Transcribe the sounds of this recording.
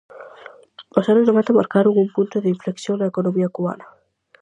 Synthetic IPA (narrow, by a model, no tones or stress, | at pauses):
osanoznoβẽnt̪ama̰ɾkaɾuŋumpũnt̪oðɪiɱfleksjoŋnaekonõmiɐkuβa̰nɐ